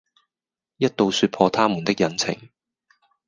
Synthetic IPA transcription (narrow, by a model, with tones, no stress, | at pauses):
jɐ˥t̚t̪o˨˧wsyː˧t̚pʰɔː˧t̪ʰaː˥muː˨˩nt̪ɪ˥k̚jɐ˨˥nt͡sʰɪ̰˨˩ŋ